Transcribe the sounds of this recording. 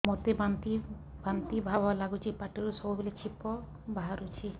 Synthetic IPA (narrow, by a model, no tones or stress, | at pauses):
mot̪ebant̪i | bant̪ibʱabalaɡut͡ʃʰipaʈeɾusɔbubelet͡ʃʰipːɔ | baɦaɾut͡ʃʰi